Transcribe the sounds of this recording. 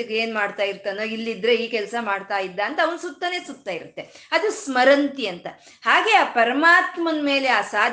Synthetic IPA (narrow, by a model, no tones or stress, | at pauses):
ɐɡeːnmaːɖt̪aːjiɾt̪anoilːid̪ɾe̞iːkɛlsɐmaːɖt̪aːjid̪ːɐːnt̪ɐːʋɐnsut̪ːɐne̞ːsut̪ːaːiɾut̪ːe̞ | ɐd̪usmɐɾɐnt̪iɐnt̪ɐ | haːɡe̞aːpɐɾɐmaːt̪mɐnme̞ːle̞aːsaːd̪ʱ